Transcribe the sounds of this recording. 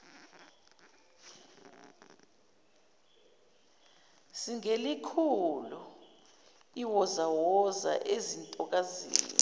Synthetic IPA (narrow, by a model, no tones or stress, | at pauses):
siŋelikʰulu | iwɔzawɔza̰ʔezintʼɔk̬azḭːni